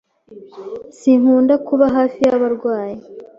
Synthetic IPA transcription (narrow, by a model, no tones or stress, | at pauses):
siŋhuːndakuβaɦaːfijaβaɾɡwaːji